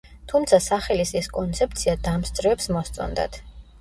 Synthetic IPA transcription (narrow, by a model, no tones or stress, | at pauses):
t̪ʰumt̪sʰasaχɛlisɛskʼɔnt̪sʰɛp̚t̪sʰiad̪amst̪sʼɾɛvɛpsmɔst̪sʼɔ̰nd̪a̰t̪ʰ